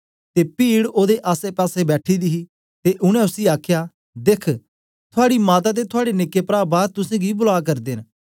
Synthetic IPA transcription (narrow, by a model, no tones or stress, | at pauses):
t̪epiːɽoːd̪eʔaːsepɛːsebɛːʈʰid̪iɦi | t̪eʔʊɽ̃ɛ̃ʊsiaːkʰjaː | d̪eːkʰ | t̪ʰʊaːɽimaːt̪̬at̪̬et̪ʰʊaːɽenekːepɾaːbaːɾt̪ʊsẽːɡibʊlaːk̬ɐɾd̪eːn